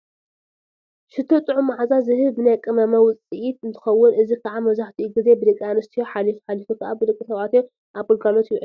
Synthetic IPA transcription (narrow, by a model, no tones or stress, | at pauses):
ʃɨt̪ʰːot̪ʼɨʕumaʕazazɨhɨβbɨnajkʼɨmɐmɐwʊt͡sʼiʔit̪ɨnt̪ʰɨ̥xɐwːʊnʔɨzikʰaʕamɐzaħt̪ʰiʔuɡɨze̞bɨd̪ɨkʼianɨst̪ʰijoħalifħalifokʰɐʔa̰bɨd̪ɨkʼːisɐβʔat̪jo | ʔaβɨlɡalo̞t̪jʕ